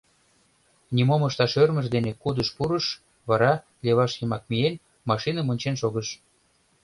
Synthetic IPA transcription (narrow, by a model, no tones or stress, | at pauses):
nʲimoməʃt̪ɑʃørməʒd̪enekud̪əʃpuɾəʃ | βɑɾɑ | lʲeβɑʃjəmɑk̚mien | mɑʃinəmonʲt͡ɕenʃoɣəʃ